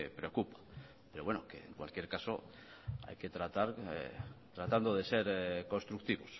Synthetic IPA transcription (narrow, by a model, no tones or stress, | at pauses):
pɾeokupḁ | peɾowenokḛḛŋkwa̰lkjeɾkaso | a̰jke̞t̪ɾat̪aɾḛt̪ɾat̪and̪oðeseɾkonst̪ɾuk̚t̪iβos